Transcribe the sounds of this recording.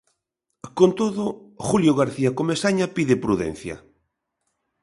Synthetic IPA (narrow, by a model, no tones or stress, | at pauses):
kont̪oðʊχuljoɣaɾθiakomesaɲapiðɪpɾuðɛ̰nθja̰